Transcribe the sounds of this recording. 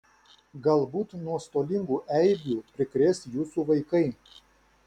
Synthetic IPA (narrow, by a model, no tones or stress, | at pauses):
ɡɐlˠbuːt̪nuɔst̪oːlʲɪŋɡuːʔɛɪɡʲuːpʲɾʲɪkɾʲesjuːsuːʋɐɪkɐɪ